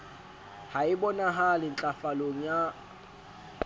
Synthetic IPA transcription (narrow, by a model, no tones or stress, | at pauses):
haɪbɔnaɦalɪn̩t͡ɬʼafaloŋ̩ja